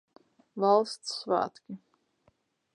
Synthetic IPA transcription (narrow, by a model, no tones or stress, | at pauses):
valˠst̪sːva̰ːt̪kʲi